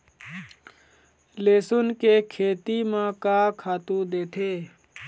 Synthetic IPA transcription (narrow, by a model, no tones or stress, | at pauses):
leːsʊnkekʰeːt̪imãkaːkʰaːt̪ũd̪eːt̪ʰeː